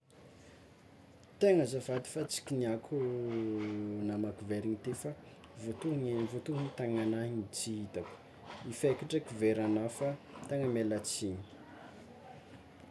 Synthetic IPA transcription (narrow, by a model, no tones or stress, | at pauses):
t̪eŋəzavad̪i̥fat͡si̥kʲiniakʰu | namakuveɾiŋit̪efa | vot̪uɦŋenvot̪uɦnit̪aŋanainit͡siit̪ak | ifekiʈ͡ʂəkuveɾanafat̪eŋəmelat͡siɲi̥